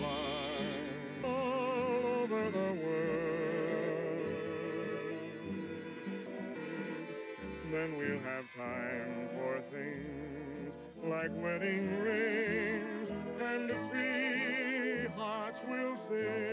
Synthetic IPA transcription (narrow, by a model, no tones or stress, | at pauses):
olˠðəðəwɜ˞ | ðɨ̃nwilˠɨv̥tʰãɪ̃mɱfə˞θɪ̃ŋ | z | laɪkwɛɾɪ̃ŋɹẽɪnzɨ̃nɨfɹi | ɦɑɹtswɪlˠsɪ